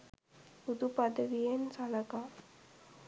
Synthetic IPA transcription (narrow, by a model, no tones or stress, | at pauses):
ud̪upɐd̪əʋijensɐlɐka